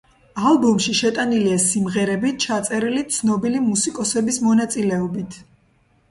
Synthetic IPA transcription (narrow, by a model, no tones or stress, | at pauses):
alˠbɔmʃiʃɛt̪ʼaniliasimʁɛɾɛbit͡ʃʰat̪sʼɛɾilit̪sʰnɔbilimusikʼɔsɛbismɔnat̪sʼilɛɔbit̪ʰ